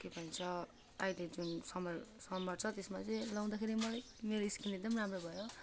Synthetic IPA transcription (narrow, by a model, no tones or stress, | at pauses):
kebʱʌnt͡sʰʌ | ajled͡zunsʌmʌlsʌmʌrt͡sʰʌt̪esmat͡sʌĩlʌw̃d̪akʰeɾimʌlaj | meɾoiskineɡ̚d̪ʌmramrobʱʌjo